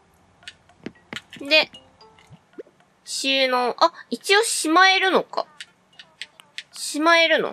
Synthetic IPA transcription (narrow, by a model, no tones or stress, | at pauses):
d̪e̞ | ɕinoʔait͡ɕio̞ɕimae̞ɾɯ̟no̞ka̰ | ɕimae̞ɾɯ̟no̰